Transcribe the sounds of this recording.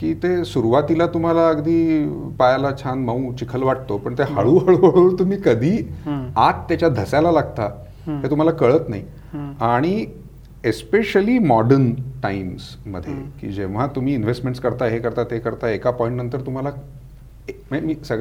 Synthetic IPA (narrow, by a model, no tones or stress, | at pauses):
kiːt̪esuɾuʋat̪ilat̪um̤alaəɡd̪iːpajalat͡ɕʰanməũt͡ɕikʰəlʋaʈ̚t̪opəɳt̪eɦaɭuːɦaɭəɭoɾt̪um̤iːkəd̪ʱiːat̪t̪ːjat͡ɕjad̪ʱəsjalalaɡt̪a | et̪um̤alakəɭət̪nai | aɽ̃i | espeɕəliːmɔɖənʈaims | mə̰d̪ʱːjḛkḭːd͡ʑeʋ̤at̪um̤iːinʋesʈmẽɳʈskəɾt̪aɦekəɾt̪at̪ekəɾt̪aekapɔĩɳʈnənt̪əɾt̪um̤ala | mmiːsəɡ